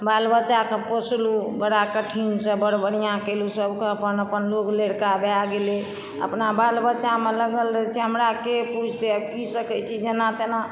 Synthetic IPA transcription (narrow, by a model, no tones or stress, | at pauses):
balbəːt͡ʃakeposlubəɽakəʈʰimsəbəɽbəɽijãkelusəbkeəpənəpənlokleɽkabeaɡele | ə̰pnabalbət͡ʃameləɡəlɾəɦɛt͡ʃʰiɦəmɾakeput͡ʃʰt̪ekisəkət͡ʃʰid͡ʒenat̪ena